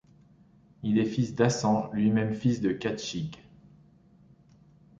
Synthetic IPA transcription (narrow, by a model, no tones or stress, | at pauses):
ilɛfisd̪asɑ̃lɥimɛmfisd̪əkat̪ʃiɡ